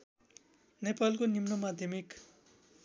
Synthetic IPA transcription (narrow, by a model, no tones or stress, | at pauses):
nepalkonimnʌmad̪ʱjʌmik